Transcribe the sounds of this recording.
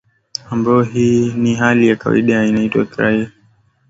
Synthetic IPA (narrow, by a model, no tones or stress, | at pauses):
ambaɔɦiːniɦalijaka̰wa̰iɗainaitwa̰kɾa̰